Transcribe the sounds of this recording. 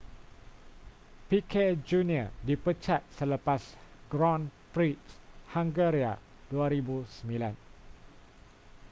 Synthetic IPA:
pikʰed͡ʒuniədipət͡ʃat̪̚sələpasɡɾɔnpɾitshãŋɡəɾia | d̥uaɾibusəmbilãn

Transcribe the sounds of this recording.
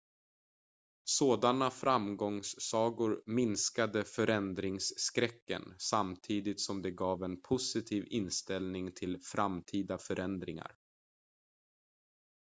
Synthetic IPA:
soːd̪anafɾamɡɔŋsːɑːɡʊɾmɪnskad̪əfœɾɛnd̪ɾɪŋsːkɾɛkːə̰nsamt̪ʰiːd̪ɪt̪sɔmd̪ɛɡɑːvɛnpʰʊsɪt̪ʰiːvɪnst̪ɛlnɪŋt̪ʰɪlfɾamt̪ʰiːd̪afœɾʔɛnd̪ɾɪŋa̰ɾ

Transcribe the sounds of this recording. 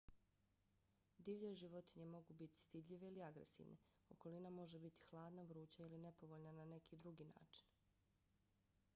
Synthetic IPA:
d̪iːʋʎeʒiʋo̞t̪iɲe̞mo̞ɡuːbit̪i̥st̪id̪ʎʲiʋeiliaɡɾḛsḭːʋnʔḛ | o̞̰ko̞linamo̞ʒebit̪i̥xlˠaːd̪naʋɾuːt͡ɕailine̞po̞ʋo̞ʎnanane̞kʰiːd̪ɾuɡiːna̰ːt͡ʃi̥n

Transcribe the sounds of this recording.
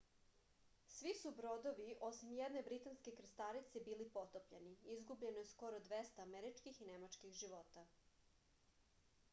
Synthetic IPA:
sʋisubɾo̞d̪oʋiʔo̞simjed̪ne̞bɾit̪anske̞kɾ̩st̪aɾit̪sebiːlipo̞t̪opʎeniizɡubʎe̞nojesko̞ɾod̪ʋest̪aːmeɾit͡ʃkixinemat͡ʃkixʒiʋo̞ːt̪a

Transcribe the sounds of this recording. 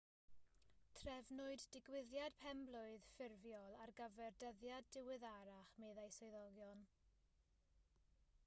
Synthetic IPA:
tʰrɛvnʊɨdːɪɡwɪðjad̥pʰɛmblˠʊɨð̥fɪrvjɔlˠarɡəvɛrdəðjadɪwɪðaɾaχmeðajsɔɨðɔɡjɔn

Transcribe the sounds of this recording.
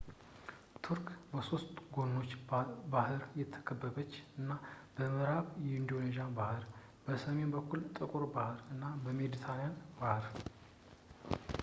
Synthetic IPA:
t̪ʰuɾkbəso̞st̪ʼɡo̞nːo̞t͡ʃːbahɨɾjɛt̪ʰːə̥kʰəbːəbət͡ʃːɨnːab̥əmɨɾaβjɛɪnd̪o̞neʒanbahɨɾ | b̥əsəme̞nbəkːult̪ʼɨkʼuɾbahɨɾɨnːabəmed̪it̪ʰanijanbahɨɾ

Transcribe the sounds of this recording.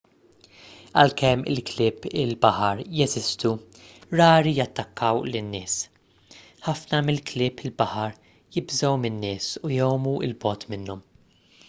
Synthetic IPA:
ɐlkɛmːɪ̰lklɪːpɪlbɐħɐɾjɛzɪst̪u | ɾɐːɾijɐt̪ːɐkːɐwlɪnːɪːs | ħɐfnɐmɪlklɪːpɪlbɐħɐɾ | jɪbzɐwmɪnːɪːsujɔwmuɪ̰lbɔːt̪mɪnːɔm

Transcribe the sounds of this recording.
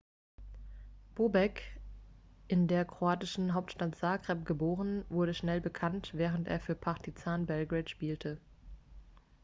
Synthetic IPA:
b̥oːbɛk | ʔɪndeːɐkʁ̥oaːtɪʃn̩ɦaʊp̚tʃtatz̥aːɡʁ̥ɛp̚ɡ̥əboːʁənvʊɐɾəʃnɛlbəkʰantv̥ɛːʁ̞əntʔḛːɐfyːɐpʰaʁtizaːnbɛlɡʁɛtʃpiːltʰə

